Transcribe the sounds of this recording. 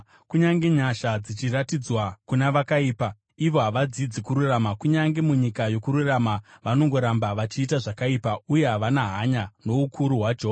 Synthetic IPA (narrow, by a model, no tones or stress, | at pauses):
kuɲaŋɡe̞ɲaʃad͡zit͡ʃiɾatid͡zwakunaʋakaiːpa | iʋo̞ɦaʋad͡zid͡zikuɾuramakuɲaŋɡe̞muɲikajo̞kuɾuramaʋano̞ŋɡo̞ɾambaʋat͡ʃiːtaʐakaipauje̞ɦaʋanaɦaɲano̞ukʰuɾuɦwad͡ʒoː